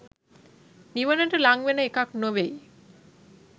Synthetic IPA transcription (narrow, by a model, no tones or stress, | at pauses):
niʋaneʈelaŋʋeneekaknoʋej